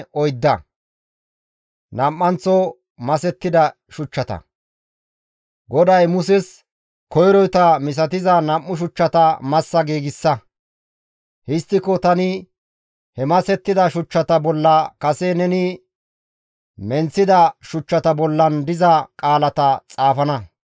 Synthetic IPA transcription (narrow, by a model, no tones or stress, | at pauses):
ɔjd̪ːɐ | nɐmʔːɐnt͡sːɔ | mɐsɛt̪ːɪd̪ɐ | ʃʊt͡ʃːɐt̪ɐ̰ | ɡɔd̪ɐjmʊs̬ɛs | kɔjɾɔjt̪ɐmɪs̬ɐt̪ɪzɐnɐmːʊʃ̬ʊt͡ʃːɐt̪ɐmɐsːɐɡiːɡɪsːɐ | hɪst̪ːɪkɔt̪ɐnɪ | hɛmɐsɛt̪ːɪd̪ɐʃʊt͡ʃːɐt̪ɐbɔlːɐkɐsenɛnɪ | mɛnt͡sːɪd̪ɐʃʊt͡ʃːɐt̪ɐbɔlːɐnd̪ɪzɐkʼaːlɐt̪ɐt͡sʼaːfɐnɐ